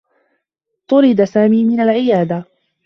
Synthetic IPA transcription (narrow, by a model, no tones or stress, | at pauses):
t̪ˤʊɾɪd̪asaːmiːmɪnalʕɪjaːd̪a